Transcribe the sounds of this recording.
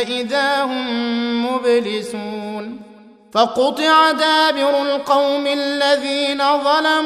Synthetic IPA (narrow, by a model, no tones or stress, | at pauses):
aʔɪðaːhʊmːʊblɪsuːn | fɑqʊt̪ˤɨʕad̪aːbɪɾʊlqɑwmɪllːaðiːnaðˤɑlam